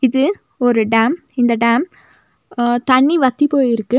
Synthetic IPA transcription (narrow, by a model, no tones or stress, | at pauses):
ɪðɯ | ɔɾɯɖaːm | ɪnd̪ɐɖaːm | t̪ɐɳːiʋɐt̪ːipoːjɪɾɯkːɯ